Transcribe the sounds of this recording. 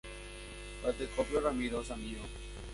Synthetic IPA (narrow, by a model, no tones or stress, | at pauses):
pət̪eːkoːpjoːɾãmiːɾoːsãmiːoː